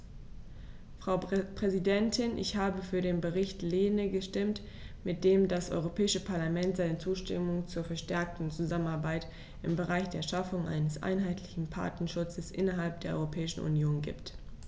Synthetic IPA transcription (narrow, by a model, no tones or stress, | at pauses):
fʁ̥aʊpʁ̥ɛzidɛntʰɪnʔɪ̰çhaːbəfyːɐdeːnbəʁɪçtleːnəɡəʃtɪmt | mɪt̚d̥eːmdasʔɔ̰ʏʁopʰɛːɪʃəpʰaɐlamɛntz̥aɪnət͡suːʃtɪ̰mʊŋt͡suːɐfɛɐʃtɛɐk̚tn̩t͡suzamənaɐbaɪt | ʔɪmbəʁaɪçd̥eːɐʃafʊŋʔa̰ɪnəsʔa̰ɪnɦaɪtʰlɪçn̩pʰa̰ɐtnɐʃʊt͡səsʔɪnɐɦalp̚d̥eːɐɔ̰ʏʁopʰɛːɪʃn̩ʔṵnjoːnɡḭːpt